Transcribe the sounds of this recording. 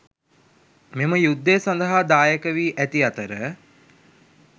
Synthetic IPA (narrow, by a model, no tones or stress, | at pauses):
meməjud̪ːeːsand̪əɦad̪aːjəkəʋiːʔæt̪iat̪əɾə